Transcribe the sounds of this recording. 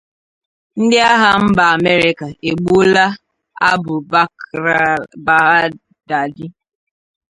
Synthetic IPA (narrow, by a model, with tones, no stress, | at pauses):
n̩˦dɪ˦a˦ɦa˦m̩˦ba˨a˨me˦ɾɪ˦ka˨e˨ɡ͡bu˦la˦ | a˦bʊ˨˦ | ba˨ɦa˦ | da˨dɪ˦